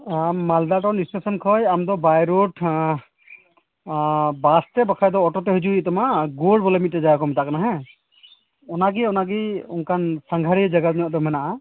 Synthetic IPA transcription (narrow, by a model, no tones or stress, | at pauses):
amːald̪aʈɔwnistesɔnkʰɔjamd̪ɔbajɾoʈ | bast̪ɛbakʰajd̪ɔːʈɔt̪ɛɦud͡ʒuit̪ɔmaɡoɖbɔlɔmit̪̚ːɛd͡ʒajkɔmɛt̪aʔkanaɦɛ̃ | ɔnaɡiɔnaɡiunkʰansaŋɡʱaɾid͡ʒaɡanɔjɔ̃ʔd̪ɔmɛnaʔa